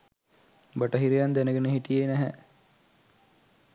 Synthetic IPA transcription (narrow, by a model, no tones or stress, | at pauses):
baʈɐɦiɾijand̪ænəɡenəɦiʈijenæɦɛ̰